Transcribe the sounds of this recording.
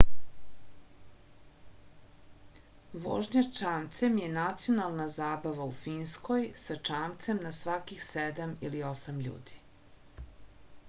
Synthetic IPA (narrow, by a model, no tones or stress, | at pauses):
ʋo̰ːʒɲat͡ʃaːmt̪se̞mjenat̪sio̞nalˠnazaːbaʋaufiːnsko̞jsat͡ʂaːmt̪se̞mnasʋakixsed̪amiliosamʎṵːd̪i̥